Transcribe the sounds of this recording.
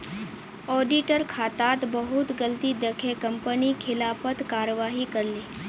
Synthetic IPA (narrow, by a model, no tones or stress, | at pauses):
ɔɖiʈəɾkʰat̪at̪bəɦut̪ɡəlt̪iːd̪əkʰekəmpəniːkʰilapət̪kaɾəʋaɦiːkəɾle